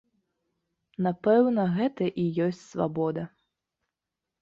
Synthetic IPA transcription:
napɛwnɐɣɛt̪ɐʔijɔsʲt͡sʲsva̰bɔd̪ɐ

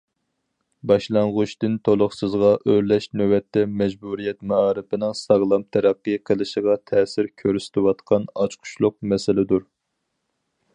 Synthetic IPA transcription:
bɑʃlˠɑɴʁʊʃt̪ɪnt̪ʰolˠʊχsɨzʁɑʔøɾlɛʃnøwɛt̪ʰːɛmɛd͡ʒbuɾijɛt̪mɛɑːɾɨpɪnɪŋsɑʁlˠɑmt̪ʰɛɾæqːɨjqʰəlˠɨʃəʁɑt̪ʰɛːsɪɾkʲʰøɾsɪ̥t̪ʰɪwɑt̪qʰɑnɑt͡ʃqʰʊ̥ʃlˠʊq̚mɛsɪlɪd̪uɾ

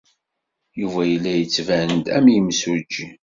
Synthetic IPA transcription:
juvæjəlːæjət͡sːvænd̪æmjəmsud͡ʒːi

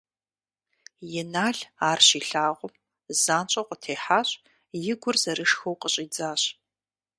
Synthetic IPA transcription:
jɛnaːɮaːrɕiːɬaːʁʷʊm | zaːnt͡ʃʼɐqʷʼətʰeːħaːɕʼ | jɪɡʷʊrzɐɾɨʂxɐwqəɕʼiːd͡zaːɕ

